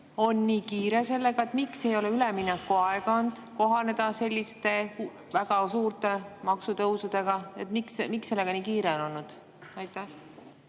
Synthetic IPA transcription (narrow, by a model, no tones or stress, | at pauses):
o̞nːiːkiːɾe̞se̞lːe̞ɡ̥ɑe̞t̪mikse̞jo̞leyleminɛkːuɑeɡ̥ɑond̪̥ko̞ɦɑne̞d̪ɑse̞lʲːist̪e̞ | væɡ̥ɑsuːɾt̪e̞mɑksut̪ɤwsud̪̥e̞ɡ̥ɑet̪miksmikse̞lːe̞ɡ̥ɑniːkiːɾe̞ono̞nːud̪̥ | ɑjt̪ːˑæh